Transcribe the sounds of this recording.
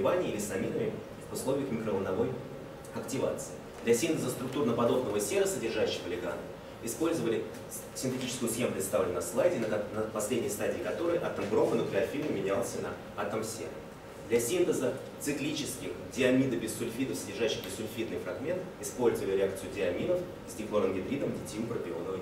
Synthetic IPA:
ɪvanʲɪilʲɪsɐmʲinəmʲɪ | ʊslˠo̞vʲɪjəxmʲɪkɾəvənɐvo̞j | ɐktʲɪva̰t̪sɨɪ | d̪lʲɐsʲint̪əzəst̪ɾʊk̚t̪urnəpɐd̪o̞bnəvəsʲeɾəsədʲɪrʐaɕːɪ̥pəlʲɪɡa̰n | ɪspo̞lʲzəvəlʲɪ | sʲɪnt̪ɪtʲit͡ɕɪ̥skʊjʊsxʲemʊpɾʲɪt̪st̪avlʲɪnːəslˠajdʲɪnnəpɐsʲlʲedʲnʲɪjəst̪adʲiːkɐt̪o̞ɾəjʔat̪əmɡɾo̞fənəklʲɪɐfʲilmɨmʲɪnʲalˠsʲənɐ̰ | at̪əmsʲḛɾə̰ | d̪lʲɐsʲint̪əzə | t̪sɨklʲit͡ɕɪskʲɪxdʲɪɐmʲid̪əbʲɪsʊlʲfʲid̪əfsədʲɪrʐaɕːɪxbʲɪsːʊlʲfʲid̪̚nɨjfɾɐɡmʲe̞nt̪ɪspo̞lʲzəvəlʲɪɾʲɪakt̪sɨjʊdʲɪɐmʲid̪əf | zʲdʲɪklˠoɾəmɡʲɪd̪ɾʲid̪əmdʲɪtʲimpɾəpʲɪo̞nəvə

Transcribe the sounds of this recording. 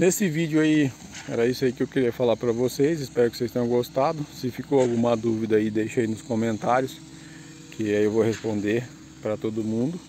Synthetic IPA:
nesɪvid͡ʒʊai | ɛ̰ɾɐisʊaikɪewkɪɾiɐfalaɾpɾɐvosejsɪspɛɾʊkɪ̥sejst̪ẽjõɡost̪ad̪ʊsɪfikoawɡũmɐd̪uvid̪ɐaid̪ejʃaijnʊskomẽnt̪aɾjʊs | kɪaiewvohespõnd̪eɾ | pɾɐt̪od̪ʊmũnd̪ʊ

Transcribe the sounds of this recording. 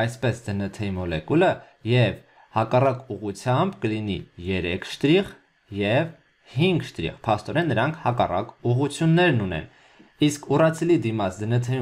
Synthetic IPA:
ɑjspɛsd̪ənət̪ʰɛimɔlɛkulə | jɛv | hɑkɑrɑkuʁut͡sʰjɑmbkəlinḭjɛɾɛ̰kʰʃt̪ɾiʁ | jɛv | hiŋɡʃt̪ɾḭʁpʰɑst̪ɔɾɛnːəɾɑŋkʰhɑkɑrɑ̰kuʁut͡sʰjunːɛɾnunɛ̰n | iskʰurɑt͡sʰɛlid̪imɑt͡sʰd̪ənət̪ʰɛju

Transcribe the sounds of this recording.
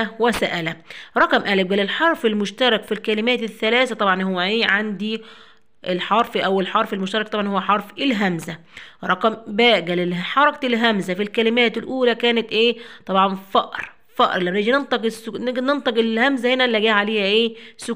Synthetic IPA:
wæsæʔælæɾˤɑqmʔæleb̚ɡæːlelħɑɾˤfelmoʃt̪ɑɾˤɑkfilkælɪmæːt̪eθːælæːθæt̪ˤɑbʕɑnhowːæʔeːʕand̪i | ʔelħɑɾˤfʔæwelħɑɾˤfelmoʃt̪ɑɾˤɑk̚t̪ˤɑbʕɑnhowːæħɑɾˤfʔelɦæmzæ | ɾˤɑqɑmbæːɡæːleħɑɾˤɑkt̪elɦæmzæfilkælɪmæːt̪elʔuːlækæːnet̪ʔeːt̪ˤɑbʕɑnfɑʔɾ | fɑʔɾˤlæmneɡinent̪ˤɑqesnnent̪ˤɑqelhæmzæhenælːæɡæːʕaleːhæʔeːsʊ

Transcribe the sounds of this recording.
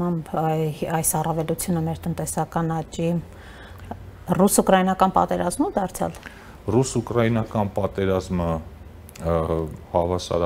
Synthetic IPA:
ɑmbɑjsɑrɑvɛlut͡sʰjunəmɛɾt̪ənt̪ɛsɑkɑnɑt͡ʃi | rusukɾɑjinɑkɑnpɑ̰t̪ɛɾɑzmud̪ɑɾt͡sʰjɑ̰l | rusukɾɑjinɑkɑnpɑt̪ɛɾɑzmə | hɑvɑsɑ̰ɾ

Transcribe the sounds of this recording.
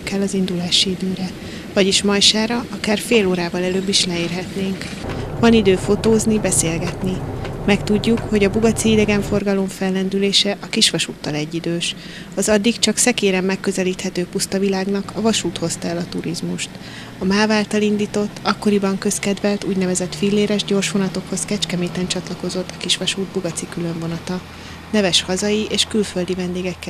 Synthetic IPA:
kɛlːɒzind̪ulaːʃiid̪øːɾɛ | vɒɟiʃmɒjʃaːɾɒɒkaːrfeːloːɾaːvɒlɛløːbːiʃlɛeːrɦɛt̪neːŋk | vɒnid̪øːfo̞t̪oːznibɛseːlɡɛt̪nimɛkt̪uɟːukho̞ɟɒbuɡɒt̪siid̪ɛɡɛɱfo̞rɡɒlo̞ɱfɛlːɛnd̪yleːʃɛʔɒkiʃʋɒʃuːt̪ːɒlɛɟːid̪øːʃ | ɒzɒd̪ːikt͡ʃɒksɛkeːɾɛmːɛkːø̞zɛliːt̪hɛt̪øːpust̪ɒvilaːɡnɒkɒvɒʃuːt̪ho̞st̪ɒɛlɒt̪uɾizmuʃt̪ | ɒmaːvaːlt̪ɒlind̪iːt̪o̞t̪ːɒkːo̞ɾibɒŋkø̞skɛd̪vɛlt̪uːɟnɛvɛzɛt̪filːeːɾɛʒɟo̞rʃʋo̞nɒt̪o̞kho̞skɛt͡ʃkɛmeːt̪ɛnt͡ʃɒt̪lɒko̞zo̞t̪ːɒkiʃʋɒʃuːd̪̚buɡɒt̪sikylø̞ɱvo̞nɒt̪ɒ | nɛvɛʃhɒzɒjieːʃkylfø̞ld̪ivɛnd̪eːɡɛkːɛ

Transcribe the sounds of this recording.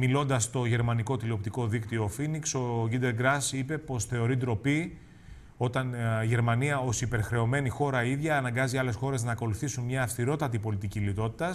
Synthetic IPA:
milo̞nd̪ɐst̪o̞ʝe̞ɾmɐniko̞t̪ilio̞pt̪iko̞ðikt̪io̞finikso̞ɡid̪e̞lɡɾɐsipe̞po̞sθe̞o̞ɾid̪ɾo̞pi | o̞t̪ɐnʝe̞ɾmɐniɐo̞sipe̞ɾxɾe̞o̞me̞nixo̞ɾɐiðʝɐːnɐŋɡɐziɐle̞sxo̞ɾe̞znɐːko̞luθisunmɲɐːft̪iɾo̞t̪ɐt̪ipo̞lit̪icilit̪o̞t̪i̥t̪ɐs

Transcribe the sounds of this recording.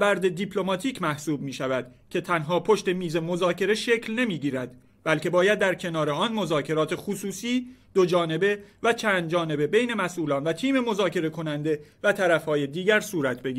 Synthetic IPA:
bæɾd̪e̞d̪ipʰlo̞mɒːt̪ʰiːcʰmæhsuːb̚miːʃævæd̪̥ | cʰe̞t̪ʰænɦɒːpʰo̞ʃt̪e̞miːze̞mo̞zɒːcʰe̞ɾe̞ʃeːcʰlne̞miːɟiːɾæd̪̥ | b̥ælce̞bɒːjæd̪̚ːæɾcʰe̞nɒːɾe̞ɒːnmo̞zɒːcʰe̞ɾɒːt̪ʰe̞xusuːsiːd̪̥o̞d͡ʒɒːne̞be̞væt͡ʃʰænd̪̚d͡ʒɒːne̞be̞be̞jne̞mæsʔuːlɒːnvæt̪ʰiːme̞mo̞zɒːcʰe̞ɾe̞kʰo̞nænd̪e̞væt̪ʰæɾæfhɒːjed̪iːɟæɾsuːɾæt̪ʰbeɡiː

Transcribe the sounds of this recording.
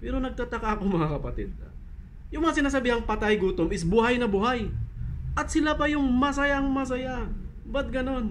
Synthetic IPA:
pɛːɾo̞nɐɡ̚t̪at̪ɐkaɐkomɐŋakɐpɐt̪ɛd̪̚ | jʊŋmɐŋas̬ɪnaːs̬ɐbiːhɐŋpɐt̪ajɡuːt̪omɪsbuhajnɐbuhajʔɐt̪sɪlapɐjʊŋmɐsɐjaŋmɐs̬ɐja | bɐt̪̚ɡɐno̞n

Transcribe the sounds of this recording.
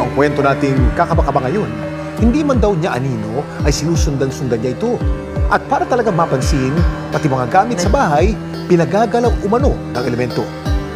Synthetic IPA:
ʔɐŋkwɛnt̪o̞naːt̪ɪŋkakɐbakɐbaŋɐjo̞n | hɪnd̪iːmɐnd̪ɐwɲaʔɐniːno̞ʔɐjsɪnuːsʊnd̪aŋsʊnd̪anɲaʔɪt̪o̞ | ʔɐt̪̚paːɾɐt̪ɐlɐɡaŋmapɐnsɪŋpɐt̪ɪmɐŋaɡaːmɪt̪̚sɐbaːɦɐj | pɪnɐɡaːɡɐlawʔʊmɐno̞nɐŋʔɛlɛmɛnt̪o̞

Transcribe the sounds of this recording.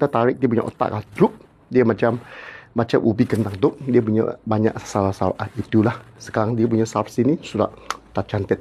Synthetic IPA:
t̪at̪aɾɪk̚diəp̬uɲa̰ʔo̰t̪a̰ʔkalahdɾup̚ | diəmat͡ʃamːat͡ʃamʔubikənt̪aŋt̪ʊʔdiəp̬uɲa̰ʔbaɲa̰ʔsalasalʔanit̪ulah | sə̥kaɾaŋdiəp̬uɲasafsinisuda̰ʔt̪aʔt͡ʃant̪ət̪̚

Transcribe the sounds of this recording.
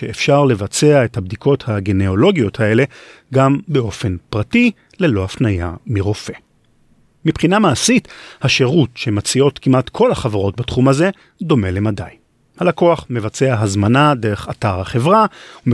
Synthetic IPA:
ʃeefʃaʁle̞vat͡se̞aethabdiko̞thaɡeneo̞lo̞ɡijo̞thae̞le̞ | ɡambeo̞fe̞npʁati | le̞lo̞hafnaja̰miʁofe̞ | mipχinamaːsithaʃe̞ʁutʃemat͡sio̞tkimʔatkʰo̞laχavaʁo̞tbatχumaze̞ | d̪o̞me̞lemada̰j | halako̞aχmevat͡se̞aɦazmanadeʁe̞χataʁhaχe̞vʁaum

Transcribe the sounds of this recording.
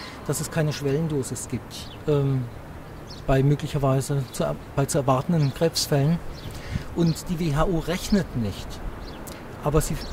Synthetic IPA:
d̥asɛskʰaɪnəʃv̥ɛləndoːzɪsɡ̥iːp̚t | ʔɛːm | b̥aɪmøːklɪçɐvaɪzət͡sub̥aɪt͡suɛɐvaɐtn̩dənɡ̥ʁ̥ɛːpsfɛlən | ʔʊntd̥iːveːɦaːʔuːʁɛçnətnɪçt | ʔaːbɐziː

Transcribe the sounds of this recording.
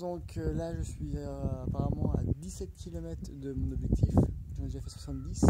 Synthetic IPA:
d̪ɔ̃klaʒəsɥiapaʁamɑ̃a̰d̪isɛt̪kʲʰilɔmɛt̪χd̪əmɔ̃nɔbʒɛk̚t̪ʰifʒəmd̪eʒafɛswḁsɑ̃t̪d̪is

